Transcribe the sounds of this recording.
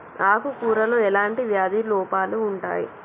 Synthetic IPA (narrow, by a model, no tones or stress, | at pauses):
aːkukuːɾɐloːɛlaːɳʈiʋjaːd̪iːlɔːpaːluːɳʈa̰ːjḭ